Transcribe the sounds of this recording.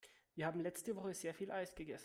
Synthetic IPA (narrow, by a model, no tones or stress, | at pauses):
viːɐhaːm̩lɛt͡stəvɔχəzeːɐfiːlʔaɪsɡ̥əɡɛsn̩